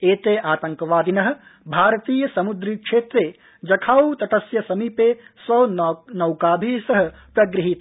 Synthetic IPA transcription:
eːt̪eːʔaːt̪ɐŋkɐʋaːd̪inɐɦɐ̆bʱaːɾɐt̪iːjɐsɐmud̪ɾikʂeːt̪ɾeː | d͡ʒɐkʰaːwt̪ɐʈɐsjɐsɐmipeːsʋɐwnɐwkaːbʱiːsɐɦɐ̆pɾɐɡɾiɦit̪

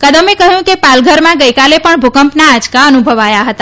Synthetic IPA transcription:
kəd̪əmekəɦjũkepalɡʱəɾmãɡəjkalepəɳbʱukəmpnaːd͡ʒkaənubʱəʋajaɦət̪a

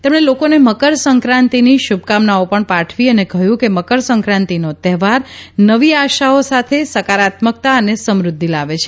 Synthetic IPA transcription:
t̪emɳ̃elokoneməkəɾsəŋkɾãnt̪iniʃub̚kamnaopəɳpaʈʰʋiənekəjũkeməkəɾsəŋkɾãnt̪inot̪ɛɦʋaɾnəʋiaʃaosat̪ʰesəkaɾat̪mək̚t̪aənesəmɾʊd̪ʱːilaʋet͡ʃʰe

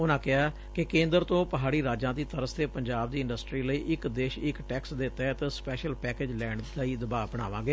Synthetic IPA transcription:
ʊnãːkɪɦaː | kɪkẽːnd̪əɾt̪õːpəɦaːɽiːɾaːd͡ʒãːd̪iːt̪əɾəst̪eːpəɲd͡ʒaːb̚d̪iːɪ̃ɳɖəsʈɾiːləiːʔɪkd̪eːʃɪkʈɛːksd̪eːt̪ɛːt̪espɛːʃəlpɛːkeːd͡ʒlɛːɳɖd̪aiːd̪əbaːbəɽ̃a̰ːʋãːɡeː

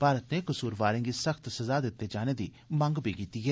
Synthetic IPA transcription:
paːɾət̪neːkəsuːɾʋaːɾẽːŋɡiːsəkʰt̪səzaːd̪ɪt̪ːeːd͡ʒaːneːd̪iː | mə̃ŋɡbiːɡiːt̪iːɦɛː

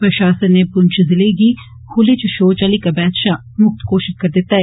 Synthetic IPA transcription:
pɾəʃaːsənːeːpʊɲt͡ʃzɪleːɡiː | hʰʊleːt͡ʃəʃoːt͡ʃaːliːkabɛːt̪ʃaː | mʊk̚t̪koːʃɪʃkəɾd̪ɪt̪ːaːɛː

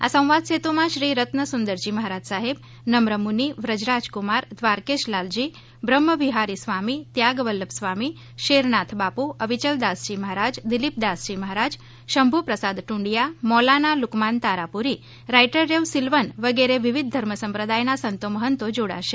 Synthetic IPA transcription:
a̰sə̃w̃ʋad̪set̪omãʃɾiɾət̪nəsund̪əɾd͡ʒiməɦaɾad͡ʒsaɦeb | nəmɾəmuniʋɾəd͡ʒɾad͡ʒkumaɾd̪ʋaɾkeʃlald͡ʒi | bɾəmːəʋiɦaɾisʋamit̪jaɡʋəlːəpsʋami | ʃeɾnat̪ʰbapuʔəʋit͡ʃəld̪asd͡ʒiməɦaɾad͡ʒd̪ilip̚d̪asd͡ʒiməɦaɾad͡ʒ | ʃəmbʱupɾəsad̪ʈuɳɖijamɔlanalukmant̪aɾapuɾi | ɾajʈəɾːeʋsilʋənʋəɡeɾeʋiʋid̪̚ːʱəɾməsəmpɾəd̪ajnasənt̪oməɦənt̪od͡ʒoɽa̰ʃe

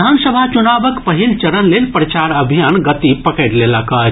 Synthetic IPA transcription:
ansəbʱat͡ʃunabəkpəɦilt͡ʃəɾənlelpɾət͡ʃaɾəbʱijanɡət̪ipəkəɪɽleləkə

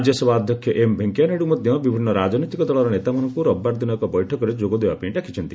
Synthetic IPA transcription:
d͡ʒjɔsebʱaːd̪ʱjɔkʰjɔʔembʱeŋkjaneɽumɔd̪ʱjɔ̃bibʱinːɔɾad͡ʒnɔt̪ikɔd̪ɔɭɔɾɔnet̪amɔnɔŋkuɾɔbːaɾd̪inɔekɔbɔjʈʰɔkɔɾed͡ʒoɡɔd̪ebapiɳʈakʰit͡ʃʰɔnt̪i

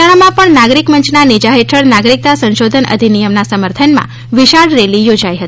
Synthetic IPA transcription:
aɽ̃amãpəɳnaɡɾikməɲt͡ʃnanid͡ʒaɦeʈʰəɭnaɡɾik̚t̪asə̃nʃod̪ʱənʔə̰d̪ʱinijəmnasəməɾt̪ʰənmã̰ | ʋiʃaɽɾelijod͡ʒajɦət̪i

